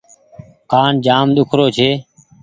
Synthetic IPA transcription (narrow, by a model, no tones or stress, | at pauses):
kaːnd͡ʒaːmɗ̪ʊkʰɾoːt͡ʃʰeː